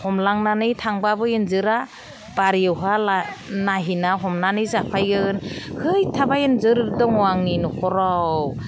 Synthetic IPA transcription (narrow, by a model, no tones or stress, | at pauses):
hɔmlaŋnanɯjtʰaŋbabɯjɯnzɯɾa | b̥aɾijɯwɦalanaɦinaɦɔmnanɯjzapʰajɡɯɡɯnhɯjtʰabajɯnzɯɾdɔŋɔaŋninɔkʰɔɾaww